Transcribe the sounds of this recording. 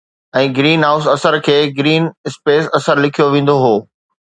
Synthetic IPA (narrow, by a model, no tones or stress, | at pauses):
ɛ̃ːɡɾiːnɦaːʊs̬ɐsəɾkʰeːɡɾiːnɪspeːsɐsəɾlɪkʰijoʋẽːn̆d̪oɦoː